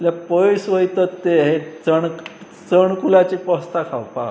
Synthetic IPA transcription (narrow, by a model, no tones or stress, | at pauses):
ljapəsʋəjt̪ət̪ːeɦet͡səɳ | t͡səɳkulat͡ɕiːpəst̪akʰawpa̰